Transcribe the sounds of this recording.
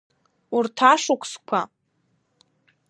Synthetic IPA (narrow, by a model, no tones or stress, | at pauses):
urtʰaʂʊkʷʰʼskʷʰa